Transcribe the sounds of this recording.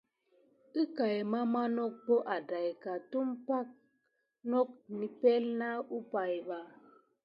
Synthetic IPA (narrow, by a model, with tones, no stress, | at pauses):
i˦ka˨jma˦ma˦nɔ˦k̚bo˦ʔa˨da˨jka˨tu˦mpa˦k̚ | nɔ˦k̚ni˨pɛ˦lna˦u˦pa˨jba˨